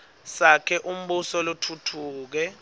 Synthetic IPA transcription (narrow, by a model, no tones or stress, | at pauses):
sakʰɛʔum̩ɓusɔlutʰutʰuːk̬ɛ